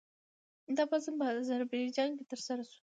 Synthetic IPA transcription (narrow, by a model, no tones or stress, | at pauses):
d̪ɑpazɨmpəːzaɾbɑjd͡ʒɑnkʲet̪əɾsaɾasu̥